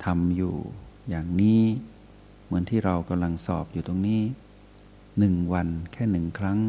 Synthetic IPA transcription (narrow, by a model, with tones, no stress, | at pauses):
t̪ʰa˧mjṵː˨˩jaː˨˩ŋniː˦˥˩ | mɯ˩˦ənt̪ʰiː˥˩ɾa˧wka˧mla˧ŋsɔː˨˩p̚juː˨˩t̪o˧ŋniː˦˥˩ | nɯ˨˩ŋwa˧nkʰɛː˥˩nɯ˨˩ŋkʰɾa˦˥ŋ